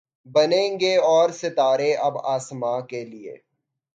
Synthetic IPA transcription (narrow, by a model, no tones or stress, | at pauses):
bɐnẽːŋɡeɔːɾsɪt̪aːɾeʔɐbaːsmakeliḛː